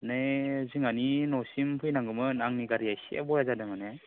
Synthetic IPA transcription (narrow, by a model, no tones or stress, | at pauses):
najziŋaninɔsimpʰɯjnaŋɡɯmɯnaŋniɡaɾijajsḛa̰bɔjazadamane